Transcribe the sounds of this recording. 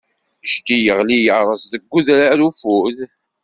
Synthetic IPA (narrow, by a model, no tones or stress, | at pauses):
ʃt̪ijəʁlijəɾˤəsðəɡːuðɾaɾufuð